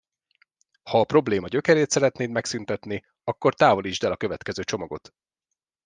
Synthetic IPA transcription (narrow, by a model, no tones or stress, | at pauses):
hɒːpro̞bleːmɒɟø̞kɛɾeːt̪sɛɾɛt̪neːnmɛksynt̪ɛt̪ni | ɒkːo̞rt̪aːvo̞liʒd̪ɛlɒkø̞vɛt̪kɛzøːt͡ʃo̞mɒɡo̞̰t̪